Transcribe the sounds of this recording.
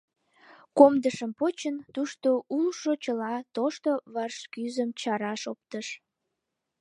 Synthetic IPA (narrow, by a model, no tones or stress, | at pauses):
komd̪əʃəmpot͡ɕənt̪uʃt̪oʔulʃot͡ɕəlɑt̪oʃt̪oβɑrʃkyzəmt͡ɕɑɾɑʃop̚t̪əʃ